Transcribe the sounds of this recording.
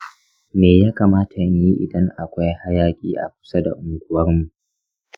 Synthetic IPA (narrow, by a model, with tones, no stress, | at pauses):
meː˨jaː˦kaː˨maː˦tʰa˨ɲji˦ʔɪ˨dɐ˦ŋʔa˨kʷa˦jha˦jaː˦kʲʼḭː˦ʔa̰˨k̚ʷʊ̥˦sa˦da̰˨ʔʊ˨ŋɡʷʊ˨wɐ˦rmu˨ʔ